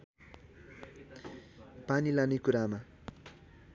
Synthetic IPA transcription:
panilanekuɾama

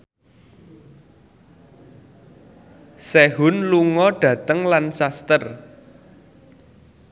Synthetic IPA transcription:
seɦʊnluŋɔɖ̥ä̤t̪əŋlansast̪ər

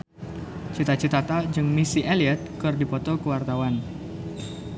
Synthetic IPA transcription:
t͡ʃit̪at͡ʃət̪at̪ad͡ʒɨŋmisiʔaliɛt̪̚kɨrdipɔt̪ɔkəwart̪awan

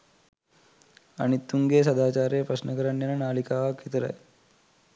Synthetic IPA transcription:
a̰ɽ̃it̪uŋɡes̬əd̪aːt͡ɕaɾepɾəsnəkəɾanjenanalikaʋakit̪ɾa̰j

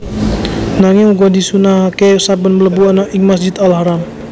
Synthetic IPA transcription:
naŋiuɡɔdisunaɦakesabənmələbuanɔʔiŋmas̬d͡ʒɪt̪alɦaɾam

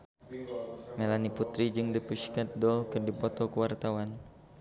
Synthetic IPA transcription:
melaniput̪ɾid͡ʒɨŋdipuʃkat̪̚dɔlkɨrdipɔt̪ɔkəwart̪awan

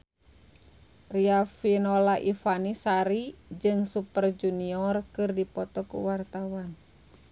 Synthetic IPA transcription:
riafinɔlaʔifanisaɾid͡ʒɨŋsupərd͡ʒuniɔrkɨrdipɔt̪ɔkṵwart̪awan

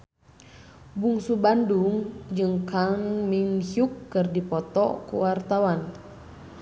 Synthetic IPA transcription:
buŋsubanduŋd͡ʒɨŋkaŋmiŋhukːɨrdipɔt̪ɔ̰kṵwart̪awan

